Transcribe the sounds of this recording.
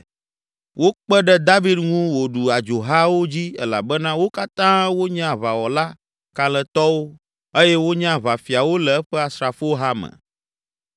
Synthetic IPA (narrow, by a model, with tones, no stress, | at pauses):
wo˦k͡pɛ˦ɖɛ˦d̪a˦vi˦d̪ŋũ˦wo˨ɖu˨a˨d͡ʒo˨ɦa˦wo˦d͡ʑi˦ɛ̰˦la̰˨bɛ˦nã˦wo˦ka˦t̪ã˦wo˦ɲã˦˨βa˨wɔ˨la˦ | ka˨lɛ˨t̪ɔ˦wo˦ | e˦jɛ˦wo˦ɲã˦βa˨fi˨a˨wo˦lɛ˨ɛ˦ɸɛ˦a˨sɾa˨fo˦ɦa˦mɛ̰̃˨